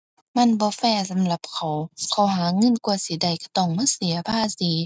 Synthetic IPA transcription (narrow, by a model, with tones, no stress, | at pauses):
ma˧˥˨nbɔː˧˦fɛː˧˩˨sa˨˦mla˧˦p̚kʰa˨˩wkʰa˧˩wɦaː˨˦ŋɤ˧˨nku˧˩əsi˨˦da˨˩jka˧˩t̪ɔː˧˩˨ŋmaː˧˥˨si˨˦ɐpʰaː˧˥˨siː˨˦